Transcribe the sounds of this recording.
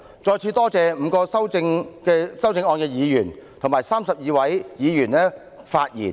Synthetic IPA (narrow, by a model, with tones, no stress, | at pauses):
t͡sɔː˧jt͡sʰiː˧t̪ɔː˥t͡sɛː˨˧m̩ː˨˧kɔː˧sɐ˥wt͡sɪ˧ŋkɛː˧sɐ˥wt͡sɪ˧ŋɔː˧nkɛː˧jiː˨˧jyː˨˩nt̪ʰʊ˨ŋmaː˨˩jsaː˥msɐ˨p̚jiː˨˧wɐ˨˥jjiː˨˧jyː˨˩nɛː˥ | faː˧t̚jḭː˨˩n